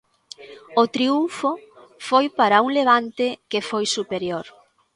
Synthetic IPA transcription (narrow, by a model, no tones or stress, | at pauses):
ʊt̪ɾiuɱfo | fojpaɾauŋleβ̞ant̪ɪkefojsupeɾjoɾ